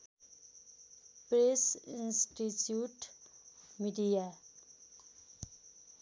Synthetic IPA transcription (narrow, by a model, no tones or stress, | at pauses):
pɾesinsʈit͡ɕjuʈ | miɖija